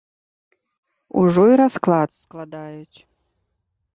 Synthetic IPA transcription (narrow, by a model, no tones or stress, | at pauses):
ṵʐoiɾasklˠasklˠad̪ajʊtʲ